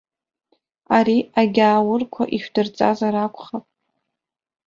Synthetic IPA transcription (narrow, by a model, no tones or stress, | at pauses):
aɾiaɡʲaːwʊrkʷʰa̰ʔiʃᶣdɨrt͡sʼa̰zaɾakʷʰʼχapʼ